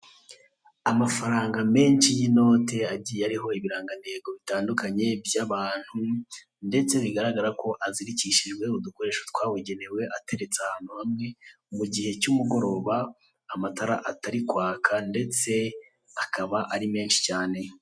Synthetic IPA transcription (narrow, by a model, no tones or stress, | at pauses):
amafaɾaːŋɡame̞ːnʃijino̞ːte̞aɟijaɾiɦo̞iβiɾaːŋɡande̞ːɡo̞βitaːndukaɲe̞bjaβaːn̥hu | nde̞t͡se̞βiɡaɾaɡaɾako̞ʔaziɾiciʃiʒɡwe̞uduko̞ɾe̞ːʃotwaːweɟe̞ne̞we̞ʔate̞ɾe̞t͡seahaːn̥huhamŋe̞ | muɟihe̞cumuɡo̞ɾo̞ːβaː | mataɾaʔataɾikwaːkʰande̞t͡se̞ | akʰaβaʔaɾime̞ːnʃi̥caːne̞